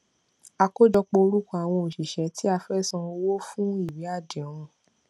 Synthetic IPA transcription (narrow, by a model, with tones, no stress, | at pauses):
a˧ko˦d͡ʒɔ˧k͡po˧o˧ɾu˦kɔ̃˦a˦˨w̃ɔ̃˧o˨ʃi˨ʃɛ˨˦tʰi˦a˧fɛ˦˨sã˧o˧wo˦fũ˦i˦˨wi˨˦a˦˨de˨ɔ̃˨˧ɾ̃ɔ̃˧